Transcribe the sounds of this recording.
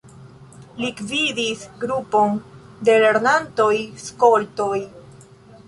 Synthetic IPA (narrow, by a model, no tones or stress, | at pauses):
likvidisɡɾupo̞n | de̞leɾnanto̞jsko̞lto̞j